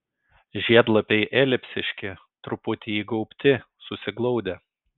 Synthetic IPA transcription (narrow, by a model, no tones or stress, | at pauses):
ʒʲiɛd̪lˠɐpʲɛɪʔɛːlʲɪpʲsʲɪʃʲkʲɪ | t̪ɾʊpʊt̪ʲɪiːɡɐʊpʲt̪ʲɪ | sʊsʲɪɡlˠɔʊd̪ʲɛ